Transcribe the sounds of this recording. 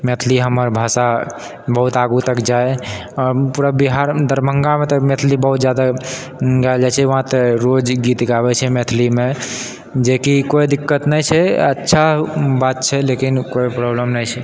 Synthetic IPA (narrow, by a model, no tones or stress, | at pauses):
met̪ʰliɦəməɾbʱasa | bəɦut̪aɡut̪əkd͡ʒae | ɔɾpuɾabiɦaɾd̪əɾməŋɡamet̪əmet̪ʰlibəɦut̪d͡ʒjad̪a | ɡaeld͡ʒat͡ʃʰɛʋəɦãt̪eɾod͡ʒɡit̪ɡaβɛt͡ʃʰɛmet̪ʰlime | d͡ʒekikojd̪ikːət̪nəjt͡ʃʰɛətːʃʰabat̪t͡ʃʰɛlekinkojpɾobləmnəjt͡ʃʰɛ